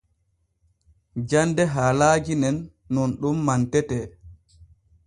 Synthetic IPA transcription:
d͡ʒandɛɦaːlaːd͡ʒinɛnː | ɔnɗumːantɛtɛː

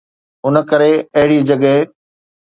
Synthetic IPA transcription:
ɦʊnə̆kɐɾeɐɦɪɽid͡ʑɐɠə

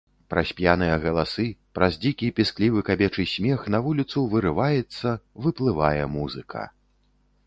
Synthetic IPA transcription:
pɾɐsʲpʲjanɨjɐɣɐlˠasɨpɾɐzd͡zʲikʲipʲisklʲivɨkabʲɛt͡ʂɨsʲmʲɛxnɐvulʲit̪suvɨɾɨvajɛt̪sːɐvɨplˠɨvajɛmuzɨkʰɐ̰

